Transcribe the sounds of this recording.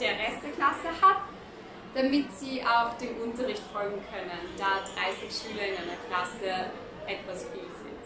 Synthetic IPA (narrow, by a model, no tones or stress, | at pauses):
d̥eːɐʁɛst̚d̥eɐkʰl̥asəhat | d̥amɪtz̥iːʔaʊxd̥eːnʔʊntɐʁɪçtfɔlɡŋ̩kʰœnənd̥aːdʁaɪsɪçʃyːlɐɪnaɪnɐkl̥asə | ʔɛtv̥asfiːlz̥ɪ̰nt